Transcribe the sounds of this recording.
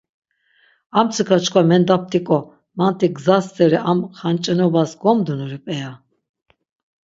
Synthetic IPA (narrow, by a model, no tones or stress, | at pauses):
amt͡sʰɨkʰat͡ʃkʰvamɛnd̪ap̚t̪ʰʼikʼɔ | mant̪ʰiɡzast͡sʼɛɾiʔamχant͡ʃʼɛnɔbasɡɔmd̪unuɾipʼɛja